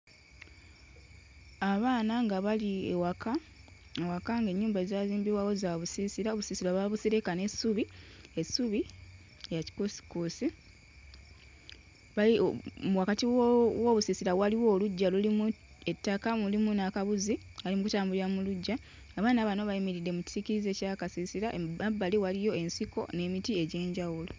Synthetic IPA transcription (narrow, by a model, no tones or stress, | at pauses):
aβaːnaŋɡaβaliḛwakʰa | ewakaŋɡe̞ɲːuːmbazaːziːmbiwawo̞zaβusiːsiɾaoβusiːsiɾaβaβusiɾekane̞suβiesuβi | ejaci̥kusi̥kuːsi | βaimwakatiwo̞ːβusisiɾawaliwo̞ːluɟːalulimu | e̞tːakamulimunakaβuzi | alimukutaːmbuliɾamuluɟːa | aβaːnaːβano̞βaimiɾidːe̞muci̥ziciɾize̞ːcakasisiɾaʔabːaliwalijo̞e̞nsiko̞̰ne̞ːmitie̞ɟe̞ːɲɟawulo